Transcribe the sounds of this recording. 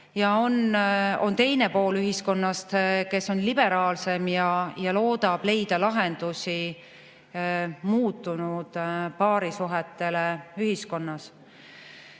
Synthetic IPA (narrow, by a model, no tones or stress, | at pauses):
jɑono̞nt̪e̞jne̞po̞ːlyɦisko̞nːɑst̪ke̞so̞nlib̥e̞ɾɑːlse̞mjɑjɑlo̞ːd̪̥ɑb̥le̞jd̪̥ɑlɑɦend̪̥usi | muːt̪ːˑunud̪̥pɑːɾisuɦɛt̪ːˑe̞leyɦisko̞nːɑs